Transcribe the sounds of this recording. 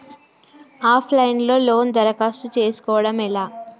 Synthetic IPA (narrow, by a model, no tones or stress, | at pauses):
aːpʰlɐjnlo̞ːlo̞ːnd̪ɐɾɐkaːst̪ut͡ʃe̞ːsu̥kɔːʋɐɽɐmɛlaː